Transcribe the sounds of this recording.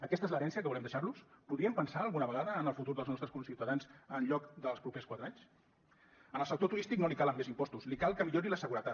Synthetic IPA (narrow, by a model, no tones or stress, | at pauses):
əkɛst̪ezləɾɛnsiəkəβulɛmd̪əʃaɾluspuðɾiəmpənsaəlˠɣunəβəɣaðəːnəlˠfut̪uɾðəlˠznɔst̪ɾəskunsiwt̪əðanzənʎɔkd̪əlˠspɾupeskwat̪ɾəaɲs | ənəlˠsək̚t̪ot̪uɾist̪iknolikaləmːezimpɔst̪uslikalˠkəmiʎoɾiləsəɣuɾət̪at̪